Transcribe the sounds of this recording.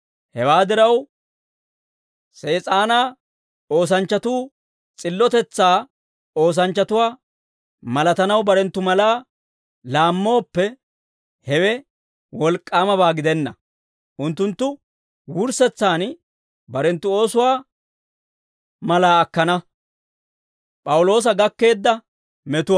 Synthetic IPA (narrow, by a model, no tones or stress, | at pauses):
hɛwaːd̪ɪɾɐw | se̞ːt͡sʼaːnaː | oːs̬ɐnt͡ʃːɐt̪uː | t͡sʼɪlːɔt̪ɛt͡sːaː | o̞ːs̬ɐnt͡ʃːɐt̪ʊwaː | mɐlɐt̪ɐnɐwbɐɾɛnt̪ːʊmɐlaː | laːmːo̞ːpːɛ | hɛwɛ | wɔlkʼːaːmɐβaːɡɪd̪ɛnːɐ | ʔʊnt̪ːʊnt̪ːʊ | wʊɾsɛt͡sːaːn | bɐɾɛnt̪ːʊo̞ːsʊwaː | mɐlaːɐkːɐnɐ | pʼɐwʊlo̞ːs̬ɐɡɐkːe̞ːd̪ːɐ | mɛt̪ʊwaː